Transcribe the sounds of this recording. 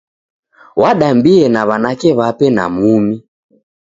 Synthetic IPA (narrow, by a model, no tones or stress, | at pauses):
waɗambiɛnaβanakɛβapɛna̰mumi